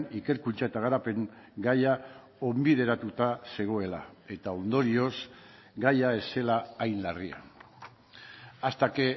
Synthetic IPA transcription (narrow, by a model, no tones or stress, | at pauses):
nike̞ɾkunt͡ʃae̞t̪aɣ̞aɾape̞ŋɡaja | o̞mbið̞e̞ɾat̪ut̪ase̞ɣ̞o̞e̞la̰e̞t̪ao̞nd̪o̞ɾio̞s | ɡajae̞se̞laːjnlaria̰ | ast̪ake̞